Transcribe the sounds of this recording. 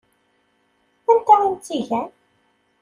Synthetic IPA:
ænt̪æint̪ːiʝæn

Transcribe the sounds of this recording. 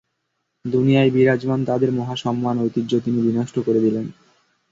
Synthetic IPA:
d̪unijajbiɾad͡ʑmant̪ad̪eɾmɔɦaʃɔmːanojt̪id͡ʑot̪inibinoʃʈʰokoɾed̪ilen

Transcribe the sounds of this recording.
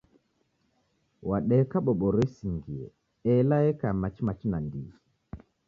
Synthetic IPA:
waɗɛkaɓɔɓɔɾɛsiŋɡiɛ̰ | ɛlaɛkamat͡ʃimat͡ʃinandḭi

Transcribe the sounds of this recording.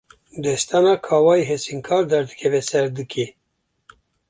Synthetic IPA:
d̪ɛst̪anɑkʰɑːwɑːjɦesiŋkʰɑːɾd̪æɾd̪ɨkʰɛvesɛɾd̪ɨkʰe

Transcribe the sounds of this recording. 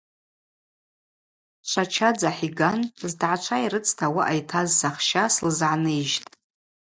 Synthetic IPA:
ʂʷʰat͡ʃʰad͡zaħiɡanzdʕat͡ʃʷʰaiɾɨt͡sʰtʰawaʔajtʰazsaχʃaslzʕanɨʒtʼ

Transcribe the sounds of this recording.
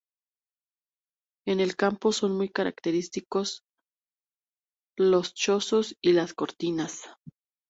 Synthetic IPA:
e̞ne̞lkampo̞so̞nmujkaɾa̰kt̪e̞ɾist̪iko̞s | lo̞st͡ʃo̞so̞silasko̞ɾt̪inas

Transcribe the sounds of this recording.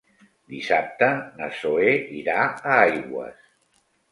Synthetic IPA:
d̪isap̚t̪ənə̰soeiɾaəajɣwə̰s

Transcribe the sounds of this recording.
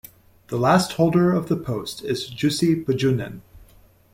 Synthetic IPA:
ðəlæst̚hoʊlˠdə˞ʌvðəpʰoʊstʰɪzd͡ʒʉsipɨd͡ʒʉnɨ̰̃n

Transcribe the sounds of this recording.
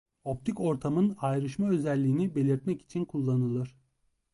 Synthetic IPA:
o̞p̚t̪ʰiko̞ɾt̪ʰamɯnajɾɯʃmaø̞zɛlʲːiːnibe̞lʲiɾt̪̚mɛki̥t͡ʃʰinkʰulˠːanɯlˠɯɾ̥

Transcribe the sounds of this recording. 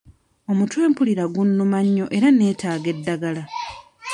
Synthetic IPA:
o̞mutweːmpuliɾaɡunːumaɲːo̞ʔe̞ɾane̞ːtaːɡe̞dːaɡala

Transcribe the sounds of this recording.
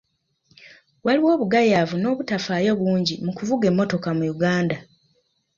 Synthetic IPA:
waliwo̞ːβuɡajavuno̞ːβutafaːjo̞βuːɲɟimukuvuɡe̞mːo̞to̞kamujuɡaːnda

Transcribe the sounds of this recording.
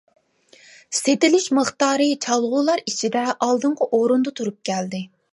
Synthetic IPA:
set̪ɪlɪʃməχt̪ɑːɾɨt͡ʃʰɑlˠʁʊlˠɑɾit͡ʃʰid̪ɛʔɑlˠd̪ɨɴqʰɑʔoɾund̪ɑt̪ʰuɾup̚kʲʰɛld̪ɪ

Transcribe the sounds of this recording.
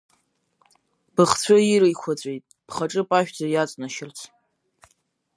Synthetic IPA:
b̥ɨχt͡sʷʰaiɾɨjkʷʰat͡sʷʼejtʼ | pʰχaʈ͡ʂʼɨpʼaʃᶣd͡zajat͡sʼnaʃɪrt͡sʰ

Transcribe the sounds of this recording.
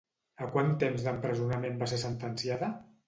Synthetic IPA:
əkwant̪emzd̪əmpɾəzunamembas̬esənt̪ənsiaðə

